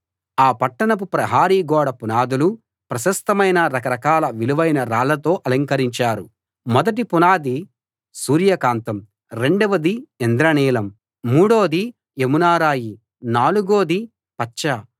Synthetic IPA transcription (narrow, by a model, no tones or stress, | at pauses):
aːpɐʈːɐɳɐp̬upɾɐɦaːɾiːɡɔːɽɐpunaːd̪ulu | pɾɐʃɐst̪ɐmɐjnɐɾɐkɐɾɐkaːlɐʋiluʋɐjnɐɾaːlɐt̪o̞ːʔɐlɐŋkɐɾiɲt͡ʃaːɾu | mɔd̪ɐʈ̬ipunaːd̪i | suːɾjɐkaːnt̪ɐm | ɾe̞ɳɖɐʋɐd̪iend̪ɾɐniːlɐmː | uːɽo̞ːd̪i | emunaːɾaːji | naːluɡoːd̪i | pɐt͡ʃt͡ʃːɐ